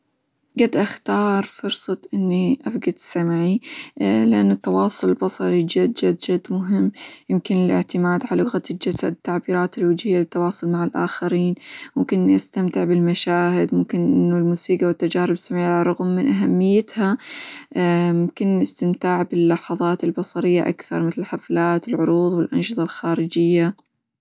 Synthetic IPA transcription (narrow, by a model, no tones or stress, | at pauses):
ɡad̪ʔaxt̪ɑːɾˤfʊɾsˤɑt̪ʔɪnːiʔafɡad̪samʕi | lɪʔanːʊt̪ːɑwɑːsˤʊlbɑsˤɑɾid͡ʒad̪d͡ʒad̪d͡ʒad̪ːmʊɦɪmːjɪmkɪnɪlʔɪ̰ʕt̪ɪmaːd̪ʕalʊɣat̪ɪd͡ʒasa̰d̪t̪ːaʕbiːɾaːt̪ɪlwɪd͡ʒhɪjːalɪt̪ːɑwɑːsˤʊlmaʕalʔa̰ːxaɾiːnmʊmkɪnːʔast̪amt̪ɪʕbɪlmaʃaːhɪd̪mʊmkɪnʔɪnːʊlmuːsiːɡawɪt̪ːad͡ʒaːɾɪbsamɪʕaɾˤɑɣmːɪnʔaɦamːɪjːɪt̪ha | mʊmkɪnɪst̪ɪmt̪aːʕbɪlːɑħɑðˤɑːt̪ɪlbɑsˤɑɾɪjːaʔa̰kθɑ̰ɾˤmɪθlɪlħaflaːt̪ɪlʕʊɾuːðˤwɪlʔɑ̰nʃɨðˤɑlxaːɾɪd͡ʒɪjːa